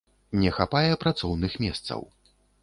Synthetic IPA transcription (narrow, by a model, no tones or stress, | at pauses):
nʲɛxapajɛpɾat̪sɔwnɨxmʲɛst̪sɐ̰w